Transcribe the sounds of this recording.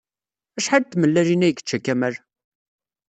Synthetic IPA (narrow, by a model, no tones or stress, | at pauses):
æʃħad̪̚t̪ːməlːæɾinæjkːə̥t͡ʃːækːæməɾ